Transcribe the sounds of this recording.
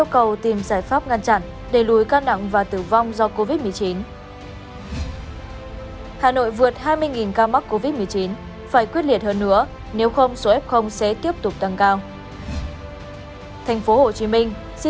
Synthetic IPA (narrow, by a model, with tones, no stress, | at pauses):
ʔi˧əwkə˨˩wt̪i˨˩mzaː˧˩jfaː˦˥p̚ŋa˧nt͡ɕa̰˧˨n | ɗe˧˩lu˨˦jkaː˧na̰˧˨ŋvaː˨˩t̪ɨ˧˩va˧wŋ͡mzɔ˧ko˧vi˦˥t̚mɨ˨˩ət͡ɕi˨˦n | haː˨˩no̰˧˨jvɨ˨˩ət̚haː˧jmɨ˧əjŋi˨˩nkaː˧ma˦˥k̚ko˧vi˦˥t̚mɨ˨˩əjt͡ɕi˨˦n | faː˧˩jkwi˦˥ət̚li˧˩ət̚həː˧nːɨ̰˧˥ə | ne˨˦wxə˧wŋ͡mso˨˦ʔɛ˦˥p̚xə˧wŋ͡msɛ̰˧˥t̪i˦˥əp̚t̪ʊ˨˩k͡p̚t̪a˧˩ŋkaː˧w | t̪ʰa˨˩jŋ̟fo˨˦ho˨˩t͡ɕi˨˦mï˧ŋ̟ | si˧